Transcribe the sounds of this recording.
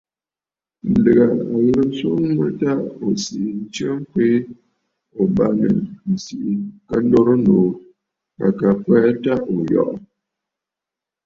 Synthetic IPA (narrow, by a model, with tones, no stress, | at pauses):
n̩˨də˨ɣa˨a˨jə˦su˦ə˦ta˦˨ʔo˨si˨ʔi˨n̩˦t͡ʃə˦ŋ̩˦ke˦ | o˨ba˦nə̰˨n̩˨si˨ʔi˨kə˦n̩˦do˦ɾə˦no˨ | ka̰˨ka˨pɛ˦ta˦ʔo˨jɔ̰˦˨ʔ